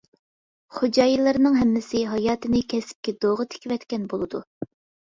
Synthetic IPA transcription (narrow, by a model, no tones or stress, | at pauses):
χod͡ʒɑːjilˠɨɾnɨŋɦɛmːɪsɪɦɑjɑːt̪ɨnɪkʲʰɛsɪ̥p̚kʲɛd̪oʁɨt̪ʰe̥kʲivɛt̪kʲɛnbolˠɨd̪u